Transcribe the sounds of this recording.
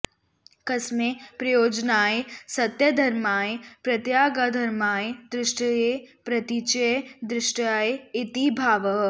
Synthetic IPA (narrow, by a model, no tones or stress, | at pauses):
kɐsmepɾɐjoːd͡ʒnaːesɐt̪jɐd̪ʱɐɾmaːepɾɐt̪jaːɡad̪ʱɐɾmaːed̪ɾɪʃʈəepɾɐt̪it͡ʃəjd̪ɾɪʃʈaːeɪt̪ibʱaːʋəɦ